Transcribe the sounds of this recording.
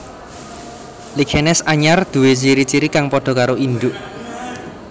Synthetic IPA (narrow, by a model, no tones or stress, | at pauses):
likʰenɛsaɲard̪̥ṳwes̬iɾit͡ʃiɾikaŋpɔɖ̥ɔ̤kaɾoind̪ʊʔ